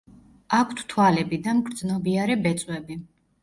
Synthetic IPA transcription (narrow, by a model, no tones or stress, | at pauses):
akʷʰt̪ʰt̪ʰwalɛbid̪amɡɾd̪znɔbiaɾɛbɛt̪sʼwɛbi